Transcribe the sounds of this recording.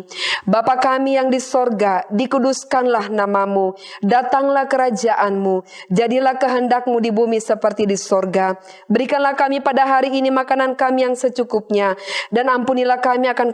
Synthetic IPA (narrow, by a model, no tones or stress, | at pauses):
bapakamijaŋdisɔrɡadikuduskanlahnamamu | dat̪aŋlahkəɾad͡ʒaʔanmud͡ʒadilahkəɦəndak̚mudibumisəpərt̪idisɔrɡa | bəɾikanlahkamipadaɦaɾiːnimakanankamijaŋsət͡ʃukup̚ɲadanampunilahkamiakan